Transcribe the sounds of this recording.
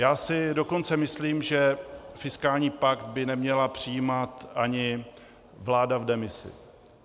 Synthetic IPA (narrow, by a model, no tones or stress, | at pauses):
jaːsɪdo̞ko̞nt͡sɛmɪsliːmʒɛfɪskaːlɲiːpakt̪̚bɪnɛmɲɛlapr̝̥ɪjimat̪ʔaɲɪ | vlaːdavdɛmɪsɪ̰